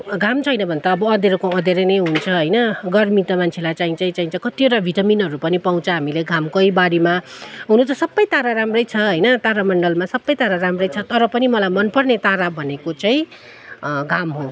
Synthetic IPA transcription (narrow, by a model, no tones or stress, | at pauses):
ɡʱamt͡sʰʌɦʌjnʌbʱʌnt̪aːbʌːd̪eɾokoʌd̪eɾʌnʌjɦunt͡sʰʌɦʌjnʌɡʌrmit̪ʌmant͡sʰelajt͡saĩt͡saĩt͡saĩt͡sʌkʌt̪ioʈabʱiʈʌminɦʌɾupʌnipaw̃t͡sʰʌɦamileɡʱamkʌibaɽimaɦunut͡sʌsʌbːʌjt̪aɾaɾamrʌjt͡sʰʌɦʌjnʌt̪aɾamʌɳɖʌlmasʌbːʌjt̪aɾaramrʌjt͡sʰʌt̪ʌɾʌpʌnimʌlajmʌnpʌrnet̪aɾabʱʌnekot͡saĩ | ɡʱamɦo